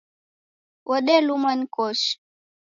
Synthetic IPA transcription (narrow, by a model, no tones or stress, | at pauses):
wɔɗɛlumankɔʃ